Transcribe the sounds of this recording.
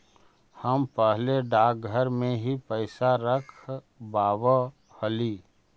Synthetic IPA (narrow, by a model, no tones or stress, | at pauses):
həmpəɦleɖaːk̚ɡʱəɾmẽɦipəɪsaɾəkʰ | baːʋə | həliː